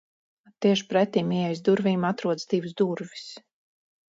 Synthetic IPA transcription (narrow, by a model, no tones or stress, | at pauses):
t̪iɛʃpɾɛt̪iːmiɛɛjsd̪uɾviːmat̪ɾuɔd̪sd̪ivusd̪uɾvi̥s